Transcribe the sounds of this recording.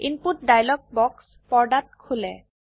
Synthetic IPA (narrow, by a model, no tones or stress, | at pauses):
input̚dajlɔɡ̚bɔks | pɔɹɖat̚kʰulɛ